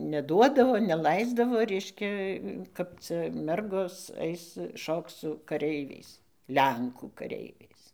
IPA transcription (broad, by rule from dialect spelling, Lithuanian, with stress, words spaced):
nʲɛˈduɔdɐʋoː nʲɛˈlˠɐɪzdɐʋoː ˈrʲɛɪʃʲkʲɛ kɐp ˈt͡sɐ ˈmʲɛrɡoːs ˈɐɪs ˈʃoːkt͡s sʊ kɐˈrʲɛɪʋʲɛɪs ˈlʲɛŋkuː kɐˈrʲɛɪʋʲɛɪs